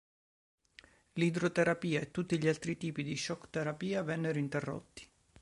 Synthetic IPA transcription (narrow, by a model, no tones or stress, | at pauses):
lid̪ɾot̪eɾapiːaet̪ːut̪ːiʎialt̪ɾit̪iːpid̪iʃɔkːt̪eɾapiːavɛnːeɾoint̪erːo̰t̪ːi̥